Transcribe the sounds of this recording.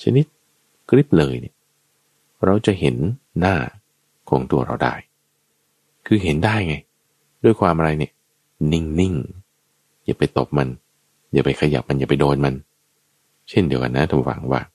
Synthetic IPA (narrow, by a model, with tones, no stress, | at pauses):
t͡ɕʰa˧ni˦˥t̪̚ | kʰɾi˦˥p̚lɤː˧jnḭ˧˩ | ɾa˧wt͡ɕa˨˩he˩˦nːaː˥˩ | kʰɔː˩˦ŋt̪u˧˩ɐɾa˧wda̰ː˥˩j | kʰɯː˧ɦe˩˦ndaː˥˩jŋa˧j | du˥˩əjkʰwaː˧mʔa˧ɾa˧jni˧˥˩ə | ni˥˩ŋni˥˩ŋ | jaː˨˩pa˧jt̪o˨˩p̚ma˧n | ja̰ː˨˩pa˧jkʰa˧ja̰˨˩p̚ma˧njaː˨˩pa˧jdoː˧nma˧n | t͡ɕʰe˥˩ndi˩˦əwka̰˧nːa˦˥t̪ʰa˧˩fa̰˩˦ŋwa̰ː˥˩